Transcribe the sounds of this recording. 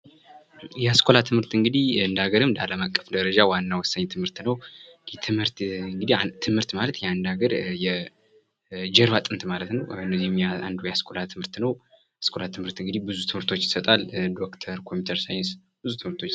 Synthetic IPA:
jɛaskʰo̞lat̪ʰɨmhɨɾt̪ɨŋɡɨd̪ihɨnd̪aɡəɾɨmd̪aləmakʼːə̥fd̪əɾəd͡ʒawanːawɔsːəɲːt̪ʰɨmhɨɾt̪nəw | ɛt̪ʰɨmhɨɾt̪ɨŋɡɨd̪it̪ʰɨmhɨɾt̪malət̪jɛand̪aɡəɾjɛ | d͡ʒɛɾβat̪ʼɨnt̪malət̪nəwɨnːəzimja̰nd̪ujɛaskʰo̞lat̪ʰɨmhɨɾt̪nəw | askʰo̞lat̪ʰɨmhɨɾt̪ɨŋɡɨd̪ihbɨzut̪ʰɨmhɨɾt̪ʰo̞t͡ʃːjɪsət̪ʼald̪o̞kt̪ʰəɾkʰo̞mut̪ʰəɾsajɪns | b̥ɨzut̪ʰɨmɨɾt̪ʰot͡ʃː

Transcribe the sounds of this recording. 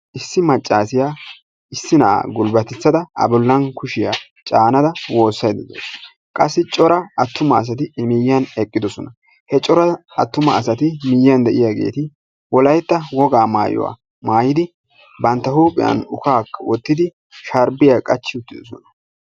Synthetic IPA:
ʔɪsːɪmɐt͡ʃʼːaːsɪjaː | ɪsːɪna̰ɡʊlbɐt̪ɛt͡sːɐd̪ɐɐ̰bʊlːɐnkʊʃɪja̰ | t͡ʃʼaːnɐd̪ɐwo̞ːsːɐjd̪ɪd̪ɛ̰ | kʼɐsːɪt͡ʃʼɔɾɐɐt̪ːʊmɐːs̬ɐt̪̬ɪmɪjːɐnɛkʼːɪd̪ɔsɔnɐ | hɛt͡ʃʼɔɾɐɐt̪ːʊmɐːsɐt̪ɪmɪjːɐnd̪ɛʔɪjaɡe̞̰ːt̪ɪ | wɔlɐjt̪ːɐwɔɡaːma̰ːjɔ̰wa̰ | maːjɪd̪ɪ | bɐnt̪ːɐhuːpʼɪjɐ̰nʊkaːkːɐwɔt̪ːɪd̪ɪ | ʃɐɾbɪjakʼɐt͡ʃːɪʊt̪ːɪd̪ɔsɔ̰nɐ̥

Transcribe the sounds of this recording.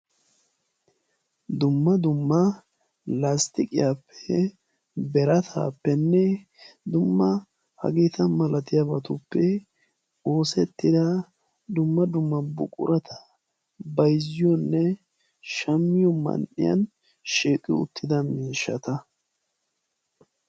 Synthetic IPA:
d̪ʊmːɐd̪ʊmːɐ | last̪ɪkʼɪjaːpʰːɛ | bɛɾɐt̪ʰa̰ːpːɛnːɛ | d̪ʊmːɐ | hɐ̰ɡiːt̪ɐmɐlʔɐt̪ɪjabɐt̪ʊpːɛ | o̞ːsɛt̪ːɪd̪ɐ | d̪ʊmːɐd̪ʊmːɐbʊ̰kʼʊ̰ɾɐt̪ʰɐ̥ | bɐjzɪjɔnːɛ | ʃɐmːɪjɔmɐ̰nʔɪ̰jɐ̰n | ʃiːkʼːɪʊ̰t̪ʰːɪd̪ɐmiːʃːɐt̪ɐ

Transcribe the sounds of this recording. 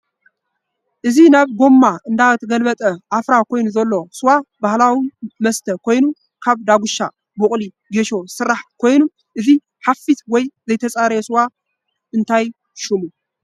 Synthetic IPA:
ʔɨzinaβɡo̞mːaʔɨnd̪awt̪ʰɡəlbət̪ʼəʔafɾako̞jnuzɐlːo̞sɨwabahlawiməst̪ʰəkʰo̞jnu | kʰaβd̪aɡuʃːa̰ | bokʼli | ɡeʃo̞sɨɾaħkʰo̞jnum | ʔɨzi | hafit̪wɔjzɐjt̪ʰəsʼaɾəsɨwa | ɨnt̪ʰaj | ʃɪmu

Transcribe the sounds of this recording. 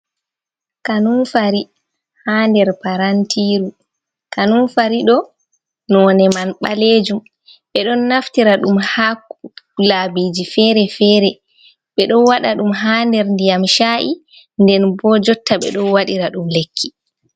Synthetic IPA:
kanunfaɾi | haːndɛɾpaɾantʰiːɾu | kanunfaɾiɗɔ | nɔːnɛmanɓaleːd͡ʒum | ɓɛɗɔnːaftiɾaɗumhaklabiːd͡ʒifɛɾɛfɛːɾɛ | ɓɛɗɔnwaɗaɗumɦaːndɛɾndijamʃaːʔi | ndɛnbɔd͡ʒɔtʰːaɓɛ̰ɗɔnwaɗiɾaɗumlekʰːi

